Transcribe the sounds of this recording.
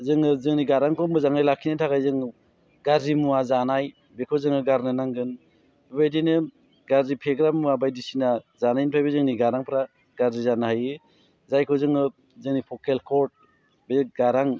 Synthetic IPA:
zɯŋɯzɯŋniɡaɾaŋkʰɔmɯzaŋnajlakʰinɯtʰakajzɯŋ | ɡaɾzimuazanaj | bekʰɔzɯŋɯɡaɾnɯnaŋɡɯn | bbajdinɯ | ɡaɾzipʰeɡɾammuabajdisinazanajnpʰajbezɯŋniɡaɾaŋpʰɾa | ɡaɾzizanahajɯ | zajkʰɔzɯŋɯ | zɯŋnipʰɔkelkʰɔɾt̚ | beɡaɾaŋ

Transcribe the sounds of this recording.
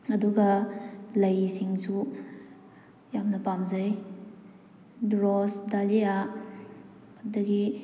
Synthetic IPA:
ɐduɡɐlɐjsiŋsu | jamnɐpamzaj | dɾosdalia | dɐɡi

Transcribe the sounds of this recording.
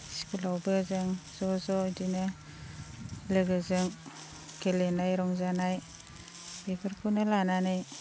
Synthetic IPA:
si̥kulawbɯzɯŋz̥ɔzɔdine | lɯɡɯzɯŋ | kʰelenajɾɔŋzanaj | bebʰɯɾkʰunɯlananɯj

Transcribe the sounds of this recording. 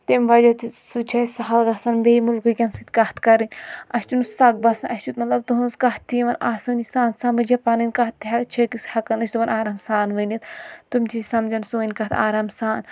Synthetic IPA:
t̪emʋɐd͡ʒɐt̪sut͡ʃʰɐsɐɦɐlɡɐsɐnbejmulkɨkʲɐnsɨt̪ʲkɐht̪kɐɾɨnʲɐst͡ʃunussɐk̚bɐsɐnʔɐsʲt͡ʃut̪̚mɐt̪lɐb̚t̪uɦunzkɐht̪ːiʋɐnaːsɨnisaːnsamɐd͡ʒɐpaːnɨnʲkɐɦt̪ːiɦɐt͡ʃʰɐkishɐkɐnɐt͡ʃʰʲt̪uʋɐnaːɾaːmsaːnʋɨnit̪t̪umʲt̪ʰisɐmd͡ʒɐnsoːinʲkɐt̪ʰaːɾaːmsaːn

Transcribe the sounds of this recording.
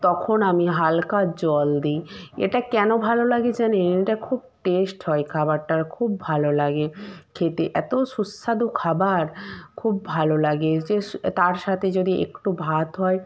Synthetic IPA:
t̪ɔkʰonamiɦalkad͡ʑɔld̪iḛʈakɛnobʱalolaɡed͡ʑaneneʈakʰub̚ʈesʈɦɔekʰabaɾʈaɾkʰub̚ːʱalolaɡekʰet̪eʔɛt̪oʃusːad̪okʰabaɾkʰubːʱalolaɡed͡ʑet̪aɾʃat̪ʰed͡ʑod̪iʔḛkʈubʱat̪ɦɔe

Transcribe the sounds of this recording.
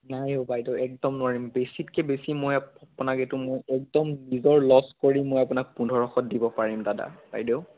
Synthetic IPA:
najobajdeʊɛk̚dɔmnʊwaɹimbesitkɛbesimojapunaketʊmojɛk̚dɔmnizɔɹlɔskoɹiːojapʊnak̚pundʱɔɹɔxɔt̚dibɔpaɹimdada̰b̥a̰jdeʊ

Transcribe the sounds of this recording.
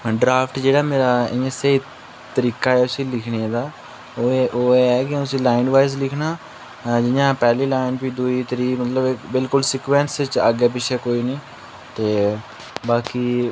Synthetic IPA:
ɖɾaːfʰʈd͡ʒeːɽaːmeːɾaːɪ̰ẽseɦi | t̪əɾiːkaːɛːʊsĩːlɪkʰneeːd̪aː | oːʔoːeɛːkɪʊsĩːlaːɪɳɖʋaːɪs̬lɪkʰnaː | d͡ʒɪãːpɛːliːlaːɪnpiːd̪uiːt̪əɾiːmət̪ləbbɪlkʊlsɪːkʋɛːnsɪt͡ʃə̰ɡeːp̬ɪʃʰeːkoːiːnĩː | t̪eː | baːkiː

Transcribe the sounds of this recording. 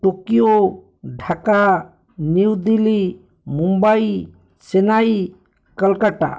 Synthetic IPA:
ʈokijo | ɖʱaka | niwd̪ili | mumbaj | senaj | kəlkaʈa̰

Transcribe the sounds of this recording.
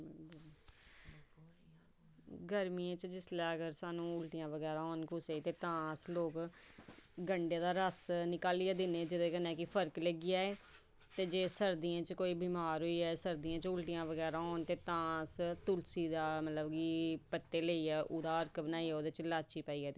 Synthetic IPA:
ɪlkl | ɡəɾmiẽːt͡ʃd͡ʒɪslaːɡəɾsaːnũːʊlʈijãːʋəɡɛːɾaːɦɔːnkʊseːit̪eːt̪ãːsloːk | ɡəɳɖeːd̪aːɾəsnɪkaːliːaːd̪ɪneːd͡ʒɪd̪eːkənɛ̃ːkɪpʰəɾkləɡɪjaːeː | t̪eːd͡ʒeːsəɾd̪iãːt͡ʃkoːiːbiːmaːɾɦoiːɛːsəɾd̪ijãːt͡ʃʊlʈijãːʋəɡɛːɾaːɦɔːnt̪eːt̪ãːst̪ʊlsiːd̪aːmət̪ləbɡiːpət̪ːeːleːiːɛːʔuːd̪aːəɾkbənaːiːɛːoːd̪eːt͡ʃlaːt͡ʃiːpaːiːɛːt̪

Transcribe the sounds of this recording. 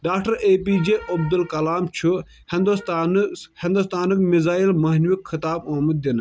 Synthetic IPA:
ɖaːkʈɐɾeːpiːd͡ʒeːʔɐb̚d̪ulkɐlaːmt͡ʃʰu | hɪnd̪ust̪ːnhɪ̃nd̪ust̪aːnɨkmɪzaːjilmɐɦnʋɪkxɪt̪aːboːmət̪̚d̪ɪn

